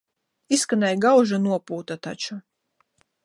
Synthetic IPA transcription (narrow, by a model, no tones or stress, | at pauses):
iskanɛjɡawʒanuɔpuːt̪at̪a̰t͡ʃu